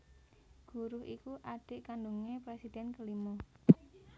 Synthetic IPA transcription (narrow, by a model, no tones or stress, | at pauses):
ɡ̥ṳɾʊɦʔikuʔaɖ̥ɪ̤ʔkanɖuŋepɾesid̪̥ɛnkəlimo